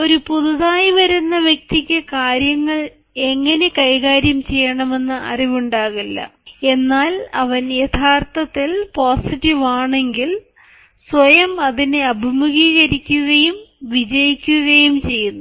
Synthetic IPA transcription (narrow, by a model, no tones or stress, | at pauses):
o̞ɾupuðuðaːjiʋɐɾunːɐʋjɐk̚t̪ikʲːɨkaːɾjɐŋːɐɭ | e̞ŋːɐne̞kɐjɣaːɾjɐmt͡ɕe̞jːɐɳɐme̞nːɨʔɐ̰riʋuɳɖaːɣilːɐ̰e̞nːaːlɐʋɐnjet̪ʰaːrt̪ɐt̪ːilpoːsiʈːiʋaːɳe̞ŋɡil | sʋɐjɐmɐðine̞ɐbʱimuɣiːɣɐɾikʲːuɣɐjumʋid͡ʑɐjikʲːuɣɐjumt͡ɕe̞jːunːu